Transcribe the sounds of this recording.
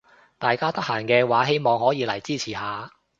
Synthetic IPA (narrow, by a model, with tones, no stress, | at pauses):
t̪aː˨jkaː˥t̪ɐ˥k̚haː˨˩ŋkɛː˧waː˨˥ɦe˥jmɔː˨ŋhɔː˨˥jiː˨˧lɐ˨˩jt͡siː˥˩t͡sʰiː˨˩ɦaː˨˧